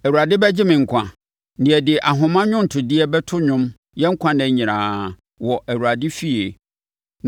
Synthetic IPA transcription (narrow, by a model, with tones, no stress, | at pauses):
æ˨wu˨ɾa˨dɪ˦bɛ˦d͡ʑɪ˦mɪ̃˨ŋ̩˨kʷʰã̰˨ | nɪ̃˨ɛ˨dɪ˨ʔa˨ɦʊ̃˨mã˦ɲᶣʊ̃˦n̩˨tʰʊ˨dɪ˦ɛ˦bɛ˦tʰʊ˦ɲʊ̃˦m | jɛ˦ŋ̩˦kʷʰã˦nɛ̃˨ɲĩ˨ɾãː˨ | wɔ˨ʔæ˨wu˨ɾa˨dɪ˦fi˦e˨